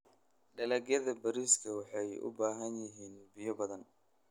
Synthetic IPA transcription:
ɖɐlɐɡjɐðɐbɐɾiːskʰɐwɑħɑjʔʊ̰baːɦɐnjɪɦiːnbɪjɔbɐðɐn

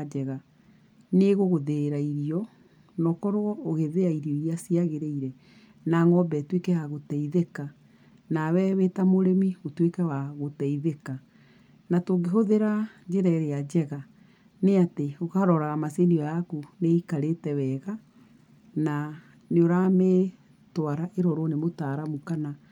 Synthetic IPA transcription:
d͡ʒɛɣa | neɣoɣoðeɾaiɾiɔ | nɔkɔɾwɔoɣeðeaiɾiɔiɾiasiaɣeɾeiɾɛ | naŋɔbɛtwekɛhaɣotɛiðeka | nawɛβetamoɾemiotwekɛwaɣotɛiðeka | natoɡeɦoðeɾad͡ʒeɾɛɾead͡ʑɛɣa | neateokaɾɔɾaɣamaseniɔjakuneikaɾetɛwɛɣa | na | neoɾame | twaɾaʔeɾɔɾonemotaɾamukana

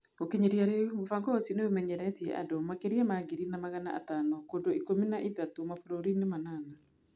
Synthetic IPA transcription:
okeɲeɾiaɾemofaŋɡɔosineomɛɲɛɾɛtiɛ̰ʔa̰domakeɾiamaɡeɾinamaɣana̰ʔa̰tanɔkondoikominaʔitatomafoɾoɾinemanana

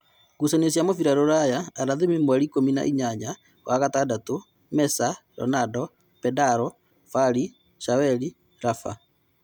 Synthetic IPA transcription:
ɡusanesjamofiɾaɾoɾajaaɾaðemimwaɾikomina̰ʔiɲaɲa | wʔaɣatadato | mɛsaɾɔ̰nadɔ | pɛdaɾɔ | faɾi | ʃawɛɾi | ɾafa̰

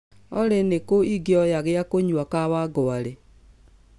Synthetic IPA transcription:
ɔ̰ɾenekoiɡeɔjaɣɪakoɲwakawaɡɔaɾe

